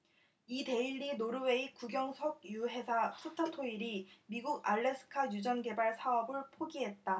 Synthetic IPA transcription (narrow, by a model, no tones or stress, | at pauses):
ite̞iɭːinoɾɯwe̞ikuɡjʌŋsʰʌɡ̚juɦe̞sʰasʰutʰatʰoiɾimiɡuɡa̰ɭːe̞sʰɯ̥kʰajud͡ʑʌnɡe̞baɭsʰaʌbɯɭpʰoɡiɦe̞t̚t͈a